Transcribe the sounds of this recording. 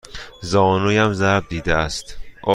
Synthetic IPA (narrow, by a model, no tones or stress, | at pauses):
zɒːnujæmzæɾb̚d̪iːd̪eæst̪ʔɒ